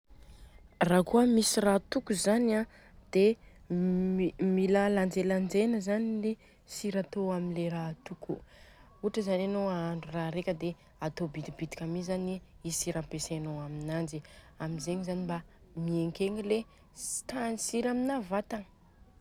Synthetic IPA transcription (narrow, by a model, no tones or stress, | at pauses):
rakuəmisirat̪ukuzana | d̪̥e | milaland͡zeland͡zenəzanile | siɾat̪oamileɾat̪uku | uʈ͡ʂəzananoaɳɖ͡ʐuraɾekʲəd̪e | at̪obid̪ibid̪i̥kʲamizaniisiɾampesenoaminand͡ʒi | amizeŋizanimba | mieŋkeŋile̥ | t̪anisiɾaminavat̪aŋ